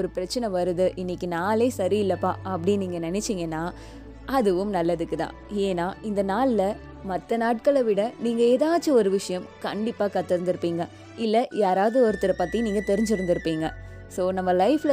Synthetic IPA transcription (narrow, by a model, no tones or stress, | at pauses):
ɔɾɯpɪɾɐt͡ʃːɐnɐʋɐɾɯðɯʔɪnːɪkːɯnaːleːsɐɾiɪlːɐpːaːɐpːɐɽɪjɐniːŋɡɐnɐnɛt͡ʃːiːŋɡɐnːaː | ɐðɯʋɯmnɐlːɐðɯkːɯt̪ã̰ː | eːnaːɪnd̪ɐnaːllɐ | mɐt̪ːɐnaːʈ̚kɐɭɐʋɪɽɐniːŋɡɐeːðaːt͡ʃːɐɔɾɯʋɪʂɐjɐmkɐɳɖɪpːaːkɐt̪ːɪɾɯnd̪ɪɾɯpːiːŋɡɐ | ɪlːɐjaːɾaːʋðɯɔɾɯt̪ːɪɾɐpaːt̪ːijɐ̃niːŋɡɐt̪ɛɾɪɲd͡ʒɪɾɯnd̪ɪɾɯpːiːŋɡɐ | soːnɐmːɐlɐɪfl